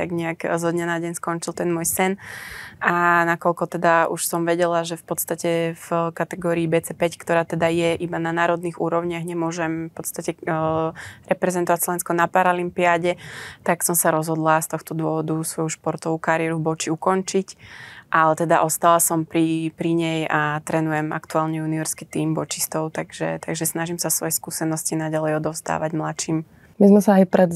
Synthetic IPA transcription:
t̪aɡɲɛakzɔd̪ɲanaɟɛɲskɔnt͡ʃilt̪ɛnmʊɔjsɛnʔanakɔʎkɔt̪ɛd̪auʃsɔmʋɛɟɛlaʒɛfpɔt̪st̪acɛvkat̪ɛɡɔːɾiːbɛt͡sɛpɛckt̪ɔɾaːt̪ɛd̪ajɛʔibananaːɾɔd̪niɣuːɾɔʊɲɪaɣɲɛmʊɔʒɛmfpɔt̪st̪acɛ | ɾɛpɾɛzɛnt̪ɔʋacslɔʋɛnskɔnapaɾalimpiaɟɛt̪aksɔmsaɾɔzɦɔd̪last̪ɔxt̪ɔd̪ʊɔʋɔd̪usʋɔjuʃpɔɾt̪ɔʋuːkaɾɪɛɾubɔt͡ʃiukɔnt͡ʃicʔalɛt̪ɛd̪aʔɔst̪alasɔmpɾipɾiɲɛjat̪ɾɛnujɛma̰kt̪uaːlɲɛuniʋɛɾskɛt̪iːmbɔt͡ʃist̪ɔʊt̪aɡʒ̥ɛ̰t̪aɡʒɛsnaʒimsasʋɔjɛskuːsɛnɔscinaɟalɛjɔd̪ɔʊzd̪a̰ːʋaɟmlat͡ʃiːm | mizmɛsaːjpɾɛd̪

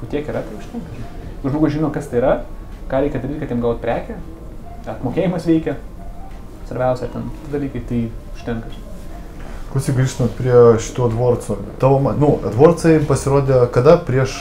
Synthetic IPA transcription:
kʊt̪ʲiɛkiːɾɐt̪ɐɪʊʃʲt̪ʲɛŋkɐʒʲkʊʒmoːɡʊsʒʲɪnoːkɐst̪ɐɪiːɾɐkɑːɾʲɛɪkʲɛd̪ɐɾʲiːt̪kɐt̪ʲːiɛmɡɐlˠʋoːt̪pʲɾʲæːkʲɛ | ɐt̪moːkʲeːjɪmɐsʋʲɛɪkʲɛ | sʋɐɾʲbʲɛʊsʲɛt̪ʲɛnkʲɪ̥t̪ʲɪd̪ɐlʲiːkɐɪt̪ɐɪʊʃʲt̪ʲɛŋkɐs | klˠʊsʲɪɡɾʲiːʃt̪not̪pʲɾʲiɛʃʲɪ̥t̪uːɐd̪ʋoɔɾt͡sot̪ɑʋoːmɐnʊɐd̪ʋoːɾt͡sɐjɪmpɐsʲɪɾoːd̪ʲeːkɐd̪ɐpʲɾʲiɛʃ

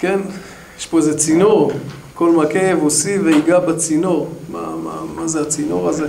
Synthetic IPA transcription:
ken | jeʃpo̞ezet͡sinoʁko̞lmakeevosiveiɡabat͡sinoʁma̰ma̰mazeat͡sinoʁaze

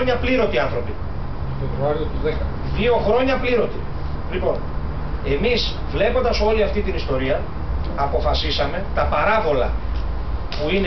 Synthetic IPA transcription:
ɲɐpliɾo̞t̪iɐnθɾo̞pi | ðevɾoɐɾiot̪uðekɐn | ðio̞xɾo̞ɲɐpliɾo̞t̪i | lipo̞n | e̞miz | vle̞po̞nd̪ɐso̞liɐft̪it̪inist̪o̞ɾiɐ | ɐpo̞fɐsisɐme̞t̪ɐpɐɾɐvo̞lɐ̰ | puin

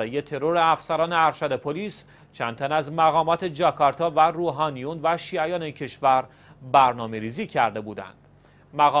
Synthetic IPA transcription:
ɾɒːje̞t̪ʰe̞ɾoɾe̞æfsæɾɒːneæɾʃæd̪e̞pʰoliːs | t͡ʃʰænd̪t̪ʰænæzmæɣɒːmɒːt̪ʰe̞d͡ʒɒkʰɒɾt̪ʰɒːværuːɦɒːnijunvæʃiːæjɒːneicʰe̞ʃvæɾ | bæɾnɒːme̞ɾiːziːcʰæɾd̪e̞buːd̪æ̰nd̪̥ | mæɣɒ

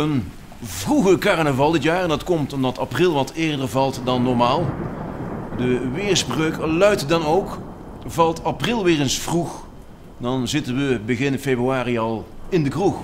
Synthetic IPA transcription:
ən | vruɣəkaɹnəvɑlˠdɪtjaːɹɛndɑtkɔmtɔmdɑtaprɪlˠʋɑtʰɪːɹdəɹvɑlˠtdɑnːɔɹmaːlˠ | dəʋɪːɹsbrøɥklœɥtdɑnowk | vɑlˠtaprɪlˠʋɪːrənsfrux | dɑnzɪtənʋəbəɣɪnfebryaːriɑlˠɪndəkrux

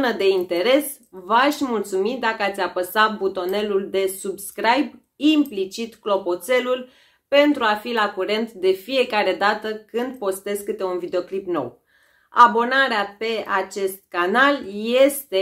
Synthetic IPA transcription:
nəd̪e̞int̪e̞ɾe̞s | vaʃʲmult̪sumid̪akəat̪sʲapəsat̪̚but̪o̞ne̞luld̪e̞subskɾajb | implit͡ʃit̪klo̞po̞t̪se̞lul | pe̞nt̪ɾuafilakuɾe̞nt̪d̪e̞fije̞kaɾe̞d̪at̪əkɨnd̪̚po̞st̪e̞zkɨt̪e̞unvid̪e̞oklipno̞̰w | a̰bo̞naɾeape̞at͡ʃe̞st̪̚kanalje̞st̪e̞

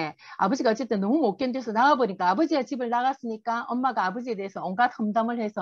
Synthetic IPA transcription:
ea̰bʌd͡ʑiɡaʌt͡ɕ͈e̞t͈ɯnːʌmumok͈ʌndwesʰʌnaɡaboɲik͈aːbʌd͡ʑiat͡ɕibɯɭnaɡas͈ɯɲik͈aʌmːaɡaːbʌd͡ʑie̞de̞ɦesʰʌʌŋɡatʰʌmdamɯɭhe̞sʰʌ

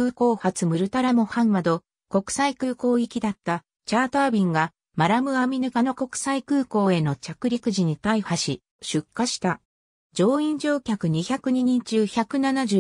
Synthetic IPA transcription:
ɯ̟ːko̞ːhat͡sɨmɯ̟ɾɯ̟t̪aɾamo̞hãŋːad̪o̞ | ko̞kɯ̟̥saikɯ̟ːko̞ːikʲid̪at̪ːa | t͡ɕaːt̪aːbʲĩŋɡa | maɾamɯ̟amʲinɯ̟kano̞ko̞kɯ̟̥saikɯ̟ːko̞ːe̞no̞t͡ɕakɯ̟ɾʲikɯ̟ʑiɲ̟it̪aihaɕi | ɕɨkːaɕi̥t̪a | d͡ʑo̞ːĩɲ̟d͡ʑo̞ːkʲakɯ̟ɲ̟içakɯ̟ɲ̟iɲ̟ĩɲ̟t͡ɕɨːçʲakɯ̟nanaʑɨ

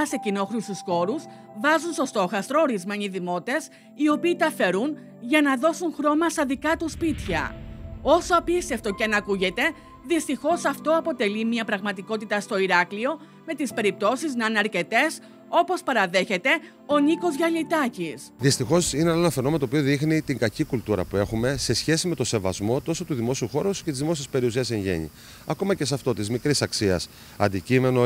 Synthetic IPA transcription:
ɐse̞cino̞xɾust̪usxo̞ɾus | vɐzunst̪o̞st̪o̞xɐst̪ɾo̞ːɾizmeɲiðimo̞t̪e̞s | io̞piːt̪ɐfe̞ɾun | ʝɐnɐðo̞sunxɾo̞mɐst̪ɐðikɐt̪uspit̪çɐ̰o̞soɐpist̪e̞ft̪o̞ceɐnɐkuʝe̞t̪e̞ | ðist̪ixo̞sɐft̪o̞ɐpo̞t̪e̞limiɐpɾɐɣmɐt̪iko̞t̪it̪ɐst̪o̞iɾɐklio̞ | me̞t̪ispe̞ɾip̚t̪o̞siznɐnɐɾce̞t̪e̞s | o̞po̞spɐɾɐðe̞çe̞t̪e̞ | o̞niko̞zʝɐlit̪ɐcisðist̪ixo̞sinenenɐfe̞noent̪opio̞ðixnit̪iŋɡɐcikult̪uɾɐ̰pue̞xume̞se̞sçe̞sime̞t̪o̞se̞vɐ̰zmo̞t̪o̞sot̪uðimo̞siuxo̞ɾoscet̪izðimo̞siespe̞ɾius̬iɐse̞ɲʝe̞̰ɲḭ | ɐko̞mɐce̞s̬ɐft̪o̞t̪izmikɾisɐksiɐ̰s | ɐ̰nd̪icime̞no

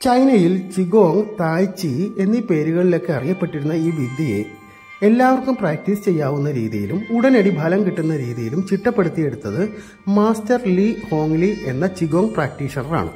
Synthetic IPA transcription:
t͡ɕɐjnɐjilt͡ɕiɡo̞ːŋt̪aːjt͡ɕːie̞nːiːpe̞ːɾuɣɐɭile̞kːeɐriŋːɐpːe̞ʈːiɾunːɐiːʋid̪ʱijḛ | e̞lːaːʋɐrkːumpraːk̚ʈist͡ɕe̞jːaːʋunːɐɾḭːðḭjilumuɽɐnɐɽibʱaːlɐmkiʈːunːɐɾiːðijilumt͡ɕiʈːɐpːe̞ɽut̪ːije̞ɽut̪ːɐðɨ | maːstɐrliho̞ːmliʔe̞nːɐt͡ɕiɡo̞ːŋpraːk̚ʈiːʂɐnɐra̰ːɳɨ̰

